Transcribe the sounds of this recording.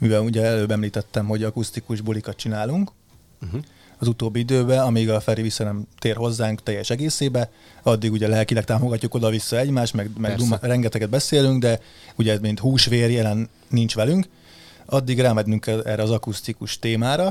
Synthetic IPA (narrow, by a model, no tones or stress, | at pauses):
mivɛluɟɛɛløːbɛmliːt̪ɛt̪ːɛmɦo̞ɟɒkust̪ikuʒbulikɒt̪̚t͡ʃinaːluŋk | ɒzut̪oːbːiid̪øːbɛɒmiɡɒfɛɾivisːɒnɛmt̪eːrɦo̞zːaːŋkt̪ɛjːɛʃɛɡeːseːbɛ | ɒd̪ːiɡuɟɛlɛlkilɛk̚t̪aːmo̞ɡɒcːuko̞d̪ɒvisːɒɛɟmaːʃt̪mɛɡmɛɡd̪urɛŋɡɛt̪ɛɡɛd̪̚bɛseːlyŋɡd̪ɛ | uɟɛmint̪huːʃʋeːrjɛlɛnː | int͡ʃʋɛlyŋk | ɒd̪ːiɡraːmɛd̪nyŋkɛɛ̰ːrɾɛɒzɒkust̪ikuʃt̪eːmaːɾɒ